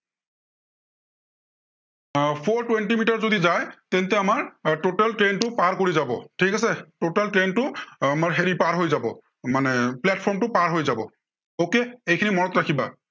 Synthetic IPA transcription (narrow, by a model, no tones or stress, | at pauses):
pʰoɹtwentimitaɹzodizajt̪ɛnt̪ɛamaɹtotaltɹentʊpaɹkoɹizabɔ̰tʰikasɛtotaltɹentʊamaɹɦeɹipaɹɦojzabɔ̰ | manɛplɛtpʰɔɹmtʊpaɹɦojzabɔ̰ | okeejkʰinimɔɹɔtɹakʰiba